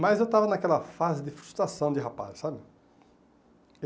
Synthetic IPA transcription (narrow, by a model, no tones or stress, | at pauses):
mɐzewt̪avɐnakɛlɐfazɪd̪ɪfɾust̪ɾasɐ̃w̃d͡ʒ̪ɪɦapa̰ssabɪ